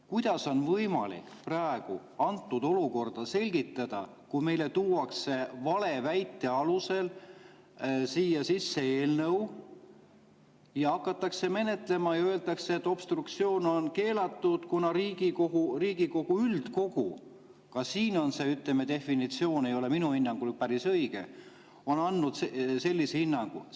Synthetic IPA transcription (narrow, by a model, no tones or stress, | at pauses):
kujd̪̥ɑso̞nvɤjmɑ̰lḭkprɑeɡ̥ṵ | ɑnt̪ːˑud̪̥o̞luko̞rd̪̥ɑse̞lʲɡit̪ːˑɑd̪̥ɑ̰ | kume̞jle̞t̪uːwɑkse̞vɑle̞væjt̪ːe̞ɑluse̞l | siːjɑsisːe̞eːlnɤw | jɑɑkːˑɑt̪ːˑɑkse̞me̞ne̞t̪le̞mɑjɑø̞eld̪̥ɑkseet̪ːˑo̞b̥st̪rukt̪sio̞ːno̞nke̞ːlɑt̪ːud̪̥kunɑɾiːɡ̥ikohuriːɡ̥iko̞ɡ̥uyld̪̥ko̞ɡ̥u | kɑsiːno̞nse̞yt̪lemet̪e̞fːinit̪sio̞ːne̞jo̞le̞minuhinːɑŋɡ̥ulpæɾisɤjɡ̥e̞̰ | o̞nɑnːud̪sese̞lʲːisehinːɑŋɡ̥ṵ